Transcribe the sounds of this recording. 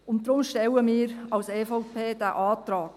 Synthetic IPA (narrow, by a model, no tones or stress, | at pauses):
ʊnt̚d̥ɾʊmʃtɛwəmiːɾɑwsɛːfɔʊpʰeːd̥æːʔɑːtrɑːk